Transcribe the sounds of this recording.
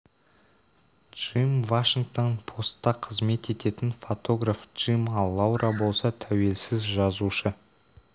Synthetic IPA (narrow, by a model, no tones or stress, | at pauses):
dʒ̥imvaʃiŋkt̪o̞npʰo̞st̪ːɑqʰəzme̞t̪e̞t̪e̞t̪ɪnfo̞t̪ʰo̞ɡrafdʒ̥imɑlˠːawɾʔɑbo̞lˠsɑt̪ʰæwe̞lsɪzʒɑzuʃə